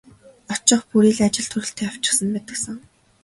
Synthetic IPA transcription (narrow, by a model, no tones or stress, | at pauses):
ɔt͡ɕɪ̆χpuɾiːɮat͡ɕɪ̆ɮt̪ʰɵɾɘ̆ɬt̪ʰeːaw̥t͡ɕɪ̆χsə̆mpæːt̪ə̆ksə̆ŋ